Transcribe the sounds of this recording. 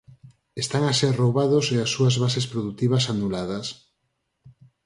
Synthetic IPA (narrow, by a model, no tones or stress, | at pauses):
est̪aŋaserowβaðoseasːuazβasespɾoðut̪iβasanulað̞ɐs